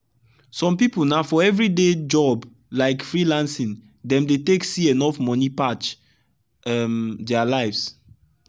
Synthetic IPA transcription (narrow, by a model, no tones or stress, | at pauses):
sɔ̃mpipulnafɔɛvɹided͡ʒɔb | laɪkfɹilãnsĩn | dɛ̃mdeteksienɔfmɔnipat͡ʃ | ɛmdɛalaɪfs